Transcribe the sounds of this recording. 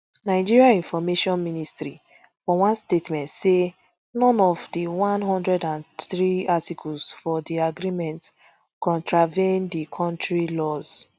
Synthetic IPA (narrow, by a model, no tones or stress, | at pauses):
naɪd͡ʒiɹiaĩnfɔmeʃɔ̃nministɾi | fɔwãnstetmɛ̃ntse | nɔ̃nɔvdiwãnɦɔ̃ndɹɛdãnθɹiatikʰɔlzfɔdiaɡɾimɛ̃nt | kɔ̃ntɹavẽndikʰɔ̃ntɹilɔz̥